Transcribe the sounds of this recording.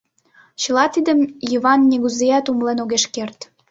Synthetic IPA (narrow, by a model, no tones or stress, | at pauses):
t͡ɕə̆lɑt̪id̪əmjiβɑnnʲiɣuzeɑt̪umlenoɣeʃkert̪